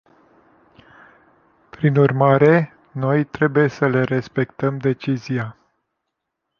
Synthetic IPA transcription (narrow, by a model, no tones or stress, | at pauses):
pɾinurmaɾe̞ | no̞jt̪ɾe̞buje̞səle̞ɾe̞spe̞kt̪əmd̪e̞t͡ʃizija